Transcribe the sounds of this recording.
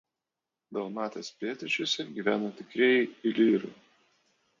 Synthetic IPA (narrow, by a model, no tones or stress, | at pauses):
d̪ɐʊmɑːt̪ʲeːspʲlʲeːt̪ʲɪt͡ʃʲʊsʲɛɡʲiːʋʲæːnoːt̪ʲɪkɾʲeɛjɛɪlʲiːɾɐɪ